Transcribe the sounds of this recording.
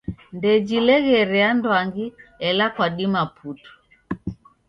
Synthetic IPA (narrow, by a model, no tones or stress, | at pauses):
ndɛd͡ʒilɛɣɛɾɛandwaŋɡiɛlakwaɗimapʰutu̥